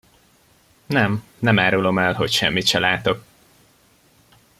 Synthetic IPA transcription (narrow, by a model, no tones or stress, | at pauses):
nɛm | nɛmaːɾulo̞mɛlɦo̞cʃɛ̰mːit̪ʃɛlaːt̪o̞k̚